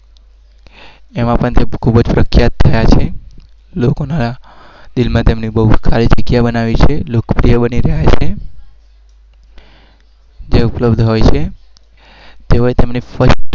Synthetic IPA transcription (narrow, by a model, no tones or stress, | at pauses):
emãpəɳt̪ekʰubd͡ʒpɾəkʰjat̪ʰːəjat͡ʃʰe | lokonaɾa | d̪ilmãt̪emnibəɦukʰalid͡ʒəɡjabənaʋit͡ʃʰelokpɾijəbəniɾəɦjat͡ʃʰe | d͡ʒeupləbd̪ʱɦojt͡ʃʰe | t̪eɦoet̪emnifʰəʃʈ